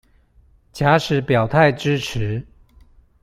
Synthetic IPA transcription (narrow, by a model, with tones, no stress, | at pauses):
t͡ɕja˧˥ʂɻ̩˨˥pjɑ˨˩ʊt̪ʰa˥˨ɪʈ͡ʂɻ̩˥ʈ͡ʂ̩ʰ˨˦